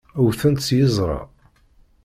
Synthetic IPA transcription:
əwθænt̪t͡sːjəzˤʁɑ̰

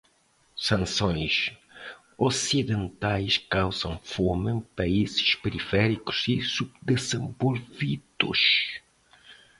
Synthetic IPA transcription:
sɐ̃sõj̃ʃ | osiðẽnt̪ajʃkawzɐ̃w̃fomɨ̃pɐizɪ̥ʃpeɾifɛɾiku̥z̥isubd̪ezẽmbolvit̪ṵʃ

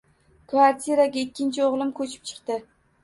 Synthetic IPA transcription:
kʰvaɾt̪ʲʰiɾaɡʲaɪkʲːɪnt͡ʃʰɪoʁlˠɪmkʰɵt͡ʃʰɪ̥p̚t͡ʃʰɨ̥qt̪ɪ

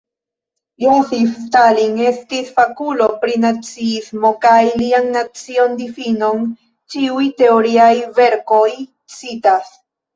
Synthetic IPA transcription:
joŋfift̪aliŋest̪isfakulopɾinat͡siizmokajliaŋnat͡siond̪ifinon | t͡ʃiujt̪e̞oɾiajve̞ɾkoj | t͡sit̪as

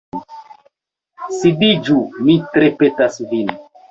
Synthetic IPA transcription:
sidid͡ʒumitɾepetasvin

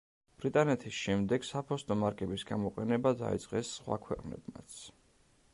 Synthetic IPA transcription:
b̥ɾit̪ʼanɛt̪ʰisʃɛmd̪ɛɡ̥sapʰɔst̪ʼɔmaɾkʼɛbisɡamɔqʼɛnɛbad̪a̰ḭd̪sʼqʼɛsːχwa̰kʰwɛqʼnɛ̰bma̰t̪sʰ

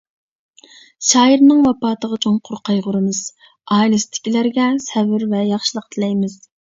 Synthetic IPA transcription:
ʃɑːjiɾnɨŋwɑpɑːt̪əʁɑt͡ʃʰoŋqʰʊɾqʰɑjʁʊɾɨmɨz̥ | ɑːjlˠɨst̪ʰɪ̥kʲilæɾɡʲɛsɛbɪɾvɛjɑχʃilˠəq̚t̪ʰɨlɛjmɪz̥

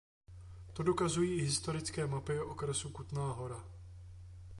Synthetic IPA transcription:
t̪o̞do̞kazujiːɪɦɪst̪o̞ɾɪt͡skɛːmapɪoʔokɾɛsukut̪naːɦo̞ɾa

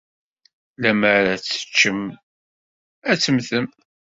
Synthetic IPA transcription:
læməɾæt͡sːə̥t͡ʃːəm | æt͡sːəmθəm

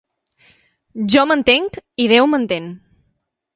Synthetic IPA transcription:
ʒɔmənt̪eŋkiðɛwmənt̪en

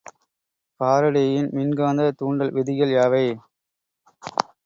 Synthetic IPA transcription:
paːɾɐɽɐjɐjɪnmɪnɡaːnd̪ɐt̪uːɳɖɐlʋɪðɪjɐljaːʋɐɪ

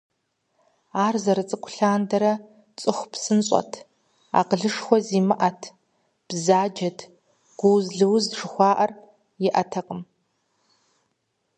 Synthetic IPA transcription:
aːrzɐɾɨt͡sʼɨkʷʰʼʊɬaːndɐɾɐ | t͡sʼɨxʷpsɨnɕʼɔ̰tʰ | a̰ːqəɮɨʂxʷɔziːmɨʔɐtʰ | b̥zaːd͡ʒɐtʰ | ɡ̥ʷʊwzɮɨwzʐɨxʷɑːʔɐr | jɪʔɐtʰɐqʼəm

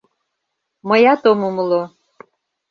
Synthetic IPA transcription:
məjɑt̪omuməlo

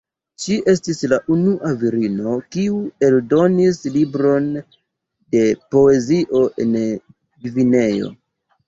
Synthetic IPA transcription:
ʃiʔe̞stislaʔunuʔaviɾino̞kiue̞ldo̞nislibɾo̞n | de̞po̞e̞ziʔo̞ʔe̞n | ɡivine̞jo̞̰

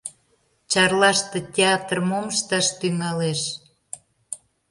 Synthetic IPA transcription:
t͡ɕɑrlɑʃt̪ĕtʲeɑt̪rmoməʃt̪ɑʃt̪yŋɑleʃ

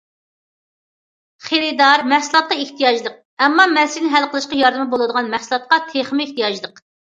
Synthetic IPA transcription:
χeɾɪd̪ɑɾmɛhsɨlˠɑt̪̚qɑeht̪ʰijɑd͡ʒlˠəq̚ | ɛmːɑmɛnsinɪɦælˠqəlˠɨʃqɑjɑɾd̪ɨmɪbolˠɨd̪əʁɑnmɛχsɨlˠɑt̪̚qɑt̪ʰeχmɪeht̪ijɑd͡ʒlˠəq

